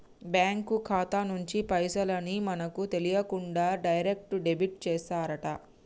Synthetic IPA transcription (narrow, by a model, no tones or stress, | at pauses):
bjaːŋkukʰaːt̪anuɲt͡ʃipɐjsɐlɐnimɐnɐkut̪e̞lijɐkuɳɖaːɖɐjɐɾek̚ʈɖe̞biʈ̚t͡ʃɛːsaːɾɐʈɐ